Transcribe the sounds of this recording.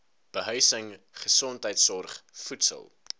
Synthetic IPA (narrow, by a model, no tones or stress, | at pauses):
b̥əɦœɥsəŋ | χəsɔntɦəjtsɔrχfutsə̰lˠ